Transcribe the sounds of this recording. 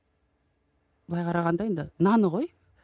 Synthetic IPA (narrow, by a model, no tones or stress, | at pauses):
b̥lˠɑjqʰɑɾɑʁɑnd̪ɑend̪ɪnɑnəʁoj